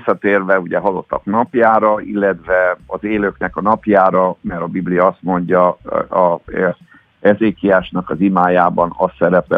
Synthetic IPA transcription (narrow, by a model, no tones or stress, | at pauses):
sːɒt̪eːrvɛuɟɛɦɒlo̞t̪ːɒknɒpjaːɾɒilːɛt̪ʋɛɒzeːløːknɛkɒnɒpjaːɾɒmɛɾɒbiblijɒɒst̪mo̞ɲɟɒ | ɛzeːkijaːʃnɒkɒzimaːjaːbɒnɒsːɛɾɛpɛ̰